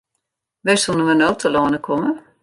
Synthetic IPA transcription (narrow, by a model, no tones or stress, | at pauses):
ʋɛsunənʋənoːtʰəloːnəkʰomə